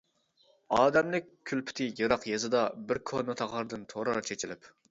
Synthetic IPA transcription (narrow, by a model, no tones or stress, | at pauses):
ɑːd̪ɛmlɪkʲʰːylpʰy̥t̪ʰɪjɨɾɑqjezɨd̪ɑbɪɾkʰonɨt̪ʰɑʁɑɾɨd̪ɨnt̪ʰoɾɑɾt͡ʃʰet͡ʃʰilɪp